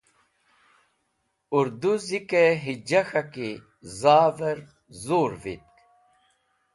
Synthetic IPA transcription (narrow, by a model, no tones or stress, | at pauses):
uɾd̪uzikeɦid͡ʑɐxɐki | zaːvɐɾ | zoːɾvḭt̪̚k